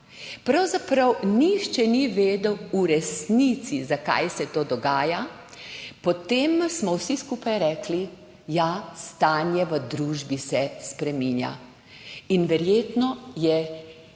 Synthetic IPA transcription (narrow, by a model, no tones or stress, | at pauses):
pɾawzapɾawniʃt͡ʃɛniʋeːd̪əwuɾɛsnit̪sizaka̰jsɛt̪oːd̪ɔɡaːja | pɔt̪eːmsmɔwsiskuːpajɾɛːkli | jast̪aːnjɛʋəd̪ɾuːʒbisɛspɾɛmiːnja̰ | inʋɛɾjeːt̪nɔjɛ